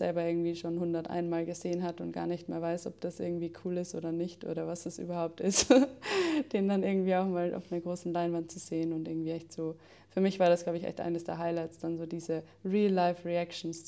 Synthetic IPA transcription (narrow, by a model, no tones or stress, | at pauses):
zɛ̰lbɐʔɪɐɡŋ̩tv̥iːʃoːnhʊndɐtʔa̰ɪnmaːlɡəzeːənɦatəʊntɡ̥a̰ːɐnɪçtmḛːɐvaɪsʔɔ̰p̚d̥asʔɪ̰ɐɡŋ̩tv̥iːkʰuːlɪstʔo̰ːdɐnɪçtʔo̰ːɾɐvasd̥asʔy̰ːbɐhaʊp̚tɪst | d̥eːndanʔɪɐɡŋ̩tv̥iːaʊxmaːlʔa̰ʊfnəɐɡʁoːsn̩laɪnvant̚t͡suz̥eːənʊntʔɪɐɡŋ̩tv̥iːɛçtz̥oː | fyːɐmɪçv̥aːɐɾasɡ̥laʊbəçʔɛ̰çtʔa̰ɪnəsd̥ḛːɐɦaɪlaɪt͡sd̥anzoːdiːzə | ʁiːlːaɪfʁiakʃn̩s